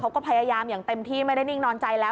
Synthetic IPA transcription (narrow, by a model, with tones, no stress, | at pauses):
a˦˥wkɔː˥˩pʰa˧jaː˧jaː˧mjaː˨˩ŋt̪e˧mt̪ʰiː˥˩ma˥˩da˥˩jni˥˩ŋnɔː˧nt͡ɕa˧jlɛː˦˥˩